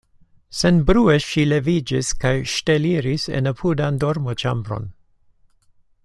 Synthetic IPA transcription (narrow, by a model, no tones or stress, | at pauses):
senbɾueʃilevid͡ʒiskajʃteliɾisḛnapʰudandoɾmot͡ʃa̰mbɾo̞̰n